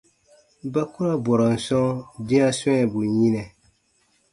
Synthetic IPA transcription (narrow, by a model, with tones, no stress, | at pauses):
ba˦kʊ˦ɾa˦bɔ˨ɾa˨n̩˨sɔ̃˦dɪ˦a˦sɔ˦ɲɛ˨bu˨ɲi˦nɛ˨